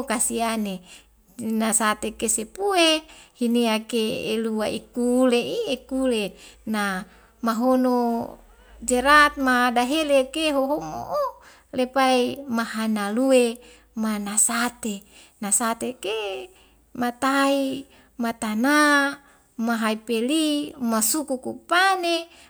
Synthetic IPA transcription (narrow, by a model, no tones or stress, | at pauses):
kasiane | nasat̪ekesepuehiniakeḛluaikuleiekulena | maɦono | d͡ʒeɾat̪̚madaɦelekeɦoɦomo̰ʔo | lepaimaɦanalue | manasat̪e | nasat̪eke | mat̪ai | mat̪ana | maɦaipelimasukukupane